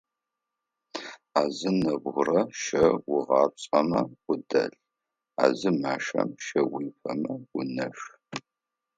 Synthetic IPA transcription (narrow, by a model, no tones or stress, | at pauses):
aːzɨnɐbʁʷʊrɐʃɐwʊʁɑːp̚ɕʼɐmɐwʷʊdɐ̰ɬ | a̰ːzɨmaːʂɐ̰mʃɐwiːfɐmɐwʊnɐʂ